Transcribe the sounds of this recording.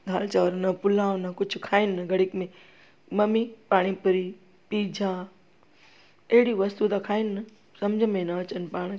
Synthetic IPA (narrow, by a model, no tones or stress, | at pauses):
ɡʱaːlt͡ɕaʋəɾnɐpʊlãːõnɐkʊd͡ʑʱʊkʰaːɪnɪnɐɡʱɐɽɪkmẽ | mɐmipaːɽ̃ipʊɾi | piːd͡ʑʱãː | ɐɦɪɽiʋɐst̪ud̪akʰaːɪnɪnɐ | sɐmd͡ʑʱəmẽnɐɐt͡ɕənɪ̆paːɽ̃